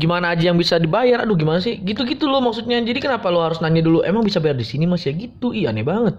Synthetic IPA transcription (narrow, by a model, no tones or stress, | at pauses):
ɡimanaːd͡ʒajaŋbisadibajara̰dʊɡimanasɪhɡit̪uɡit̪ulʊmak̚sut̪̚ɲad͡ʒadikənapalohaɾʊsnaɲaduluʔemaŋbisabajardisinimasjaɡit̪uijanɛbaŋət̪̚